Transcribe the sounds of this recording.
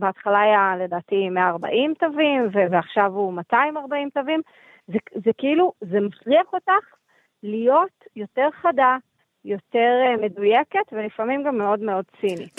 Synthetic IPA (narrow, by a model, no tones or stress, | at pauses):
beatχalaːjale̞daːtimeaːʁba̰ʔimtovimveveaχʃavumataimaʁbaimtovim | zezekiiluzemafliaχo̞taχ | lijo̞tjo̞te̞ʁχada | jo̞te̞ʁme̞dujeke̞tvelifamimɡamːeo̞dmeo̞dt͡sini